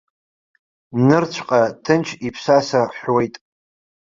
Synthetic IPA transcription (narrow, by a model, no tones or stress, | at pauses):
nɨrt͡ɕʷʰqʼatʰɨnt͡ʃʰipʰsasaħwe̞jtʼ